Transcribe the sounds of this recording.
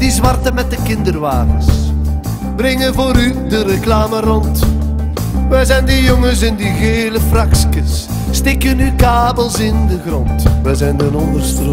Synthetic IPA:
dizʋɑrtəmɛt̚dəkɪndərʋaːtəs | brɪŋənvoːɾydəɾəklaːmərɔnt | ʋɛjzɛjndəjɔŋəsɛndiɣeːləfrakskəsː | tɪkənykaːbəlˠsɪndəɣrɔntʋɛjzɛjndənɔndərstro

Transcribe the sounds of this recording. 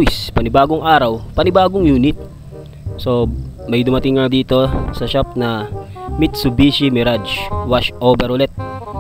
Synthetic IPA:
spɐnɪbaːɡoŋʔaːɾɐwpɐnɪbaːɡoŋjuːnɪt̪̚ | so̞mɐjd̪ʊmɐt̪ɪŋːad̪iːt̪o̞sɐʃap̚nɐ | mɪt̪̚sʊbiʃimɪɾad͡ʒwaʃʔobɛɾolɛt̪̚

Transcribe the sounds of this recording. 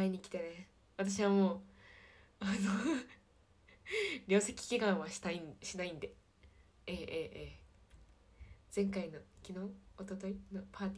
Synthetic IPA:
aiɲ̟ikʲi̥t̪e̞ne | βat̪aɕiβamoː | ano | ɾʲo̞ːse̞kʲi̥kʲikãɰ̃βaɕi̥t̪aiɕinaĩnd̪e̞ | eːʔeːʔeː | d͡z̥ẽ̞ŋkainokʲinõ̞ːot̪ot̪o̞inopʰaːt̪ʲi

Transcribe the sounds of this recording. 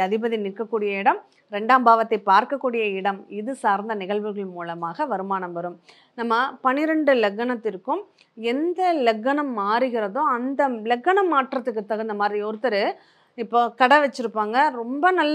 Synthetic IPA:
ɐðɪbɐðinɪɾkːɐkːuːɽɪjɐɪɽɐm | ɾɛɳɖaːmbaːʋɐt̪ːɐɪpaːɾkɐkːuːɽɪjɐɪɽɐmɪðɯsaːɾnd̪ɐnɪɣɐɭʋɯɣɐɭmuːlɐmaːɣɐʋɐɾɯmaːnɐmʋɐɾɯm | nɐmːɐpɐnɪɾɛɳɖɯlɛɡːɐɳɐt̪ːɪɾɯkːɯm | ɛnd̪ɐlɛɡːɐnɐmːaːɾɯɣɪɾɐðoːɐnd̪ɐlɛɡːɐɳɐmːaːʈrɐt̪ːɯkːɯt̪ːɐɣɐɪnd̪ɐmaːd̪ɾiɔɾɯt̪ːɐɾɯ | ɪpːoːkɐɽɐʋɛt͡ʃːɯɾɯpːaːŋɡɐɾɔmbɐnɐlː

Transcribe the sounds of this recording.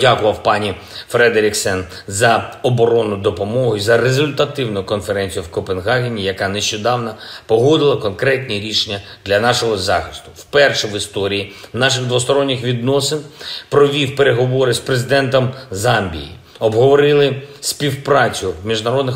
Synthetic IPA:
dʲakʊʋɐwpɑnʲi | fɾɛd̪eɾʲɪksɛn | zɐɔbɔɾɔnʊd̪ɔpɔmɔɦʊizɐrezʊlʲt̪ɐt̪ɪwnʊjʊkɔnfeɾɛnʲt͡sʲijʊwkɔpenɦɑɦʲenʲijɐkɑneʃt͡ʃɔd̪ɑwnɐpɔɦɔd̪ɪlˠɐkɔnkɾɛtʲnʲiɾʲiʃenʲːɐ | d̪lʲɐnɑʃɔɦɔzɑxɪ̥st̪ʊ̥wpɛrʃɛʋɪst̪ɔɾʲijinɑʃ̬ɪɣd̪ʋʊst̪ɔɾɔnʲːɪxʋʲid̪nɔsɪnpɾɔʋʲiwpeɾeɦɔʋɔɾɪspɾezɪd̪ɛnt̪ɔmzɑmʲbʲḭjḭ | ɔbɦɔʋɔɾɪlˠɪspʲiwpɾɑt͡sʲʊmʲiʒnɐɾɔd̪nɪx

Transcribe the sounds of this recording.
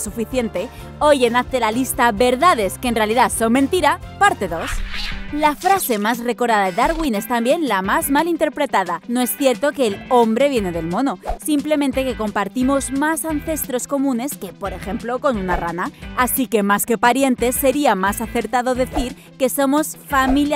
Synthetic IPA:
sufiθje̞nt̪e̞ | ojenaθe̞lalist̪aβe̞ɾðað̞e̞skenre̞aliðaso̞ŋmẽnt̪iɾapaɾt̪e̞ðo̞slafɾase̞mazre̞ko̞ɾðaðaðeðaɾɣwine̞st̪ambje̞nlamazmalint̪e̞ɾpɾe̞t̪aðanoesθje̞ɾt̪o̞kelo̞mbɾe̞β̞je̞ne̞ðe̞lmo̞no̞simple̞mẽnt̪e̞keko̞mpaɾt̪imo̞zmasan̟θe̞st̪ɾo̞sko̞mũne̞ske̞po̞ɾe̞xe̞mplo̞ko̞nunaranaːsike̞maske̞paɾje̞nt̪e̞se̞ɾiamasaθe̞ɾt̪aðo̞ðe̞θiɾ | ke̞so̞mo̞sfamilj

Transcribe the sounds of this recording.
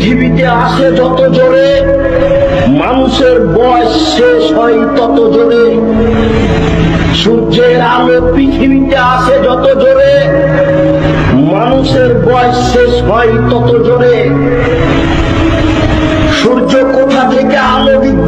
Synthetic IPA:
t̪ʰibit̪eaʃed͡ʑɔt̪od͡ʑoɾe | manuʃeɾbɔeʃːeʃɦɔjt̪ɔt̪od͡ʑoɾe | ʃuɾd͡ʑe | alopɾit̪ʰibit̪eaʃed͡ʑɔt̪od͡ʑoɾe | manuʃeɾbɔeʃeʃɦɔjt̪ɔt̪od͡ʑʱoɾe | ʃuɾd͡ʑokot̪ʰat̪ʰekealob̪id̪

